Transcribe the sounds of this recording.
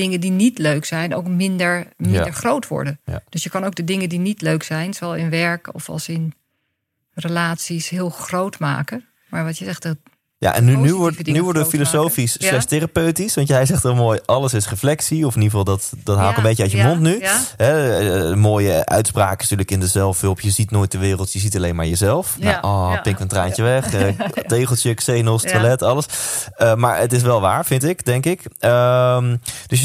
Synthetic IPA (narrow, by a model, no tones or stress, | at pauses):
dɪŋəndinitløɥksɛjno̰wkmɪndəɹmɪndəɹχrowtʋɔ̰ɹdən̰d̥øsjəkɑnowk̚dədɪŋəndinitløɥksɛjnsoɛlˠɪnʋɛɹkɔ̰fɑ̰lˠsɪn | rəlaːtsisɦɪːlˠxrowtma̰ːkə | maːɹʋɑtjəzɛχt | ja̰ːʔɛ̰nnːynyʋɔɹnyʋɔɹdəfilosowfislɛsterapøɥtisʋɑntjɛjzɛχtʋɛlˠmoːjʔɑləsɪsrəflɛksiɔfɪniːvɑlˠdɑtdɑtɦaːlˠkə̃mbejçəœtjəmɔntnyɦɛmoːjəʔœ̰ɥtspraːkəɪstyːɹləkɪndəzɛlˠfɪlˠpjəzitnoːjt̚dəʋɪːrəlˠtjəzitɑlejnmaːɹjəzɛlˠfnaʔɔːpɪŋkəntraːncəʋɛχtejχəlˠtəksejnəlˠstʋalɛtɑləsəma̰ːɹətɪs̬ʋɛlˠʋa̰ːɹvɪntɪkdɛŋkɪkəmd̥øs̬